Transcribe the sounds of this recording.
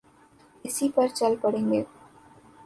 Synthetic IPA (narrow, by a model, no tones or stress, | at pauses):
ɪsipɐɾt͡ɕɐlpɐɽeŋɡe